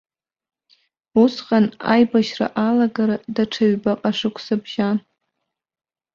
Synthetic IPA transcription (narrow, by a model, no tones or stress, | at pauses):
usqʼana̰jbaʃra̰ʔalaɡaɾadaʈ͡ʂʰaɥbaqʼaʂɨkʷʰsɨbʒa